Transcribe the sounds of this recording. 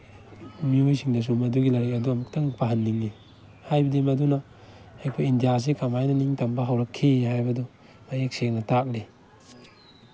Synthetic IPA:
miojsiŋdɐs̬umɐduɡilaɾik̚ɐduɐmak̚tɐŋpʰaɦɐndiŋli | hajbɐdimɐduna | ajkpʰojindijas̬ekamajnɐniŋtɐmbaɦawɾɐkʰːehajbɐdɔ | majek̚sek̚nɐtak̚li

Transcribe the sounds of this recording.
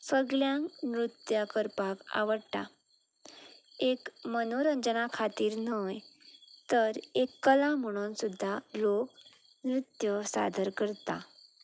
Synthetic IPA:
səɡljãŋnɾut̪jakəɾpaka̰ʋəɽʈa̰ | ekmənoɾəɲd͡zənakʰat̪iːɾnəjt̪əɾekːəlãm̤əɽ̃unsud̪ʱːalok̚ | nɾut̪jəsa̰d̪ʱəɾkəɾt̪a

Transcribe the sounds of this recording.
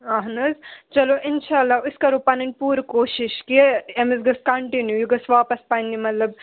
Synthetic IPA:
ɐɦnɐzt͡ʃɐloʔɪnʃaːlːaːʊskaɾuːpaːnɐn̚puːɾkoːʃɪʃkieemizɡɐskɐɳʈinjujiɡɐsʋaːpɐspanimɐt̪lɐb̚

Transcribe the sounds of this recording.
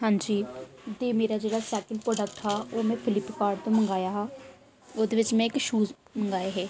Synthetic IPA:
ɦãːnd͡ʒiː | d̪eːmeːɾad͡ʒeːɽasɛːkəlpɾɔːɖək̚ʈtʰaoːmɛ̃pʰɪlɪpːkaːɾɖt̪õmɐ̃ŋɡaːjaɦɛː | ʊd̪eʋɪt͡ʃmẽːkʃuːz | mɐ̃ŋɡaːeɦɛː

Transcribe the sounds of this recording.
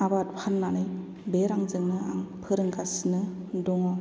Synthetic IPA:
abatpʰanːanɯj | beɾaŋzɯŋnɯa̰ŋpʰɯɾɯŋɡʰasnɯ | dɔŋɔ

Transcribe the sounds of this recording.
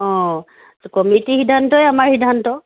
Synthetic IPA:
ɔ̃ | kɔmitihidʱantɔjamaɹhidʱantɔ

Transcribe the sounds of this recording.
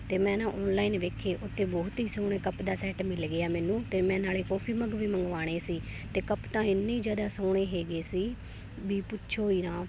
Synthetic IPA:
t̪eːmɛ̃ːnãːʔɔːnlaːiːnʋeːkʰeːʔʊt̪ʰːeːbɔːt̪ɦiːsoːɽ̃eːkəpd̪aːsɛːʈmɪlɡɪaːmɛːnũːt̪eːmɛ̃ːnaːleːkɔːpʰiːməɡʋiːməŋɡʋaːɽ̃eːsiːt̪eːkəpt̪ãːɪnːeiːd͡ʒjaːd̪aːsoːɽ̃eːɦeːɡeːsiː | biːpʊtːʃʰoːiːnãː

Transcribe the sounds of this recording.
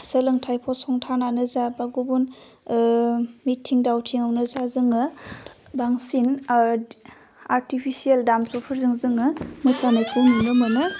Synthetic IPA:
səlɯŋtʰajpʰɔsɔŋtʰananɯzabaɡubun | mitʰiŋdawtʰiŋawnɯzazɯŋɯ | baŋsin | aɾtipʰisieldamsɔpʰəɾzɯŋzɯŋɯmɯsanajpʰɯnunɯmɯnɯ

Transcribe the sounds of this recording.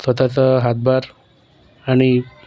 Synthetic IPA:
sʋət̪at͡səɦat̪̚baɾ | aɽ̃i

